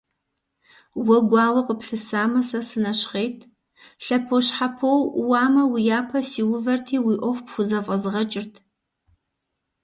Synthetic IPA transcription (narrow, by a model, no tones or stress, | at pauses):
wɐɡʷɑːwɐqəpɬɨsaːmɐsɐsɨnɐɕχeːjtʰ | ɬɐpʰoɕħapʰowwɑːmɐwijaːpʰɐsiːwʊvɐrtʰiːwiːʔʷɔvpxʷʊzɐfʼɐzʁɐt͡ʃʼɪrtʰ